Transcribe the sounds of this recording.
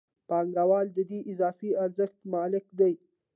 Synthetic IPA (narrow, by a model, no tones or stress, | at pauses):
pɑŋɡawɑld̪əd̪eʔɪzɑfiaɾzəxt̪mɑlɪkd̪aj